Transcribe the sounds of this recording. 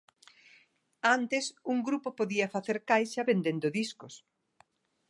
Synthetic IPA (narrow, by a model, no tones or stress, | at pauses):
ant̪ɪsuŋɡɾupopoðiɐfaθeɾkajʃɐβend̪end̪ʊðiskʊs